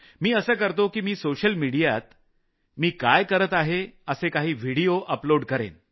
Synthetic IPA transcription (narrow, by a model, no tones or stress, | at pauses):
miːəsəːkəɾt̪okiːmiːsoɕəlmiɽija̰t̪ | miːkajkəɾət̪aɦeəsekaɦiːʋ̤ʱiɽijoʔəploɽkəɾḛn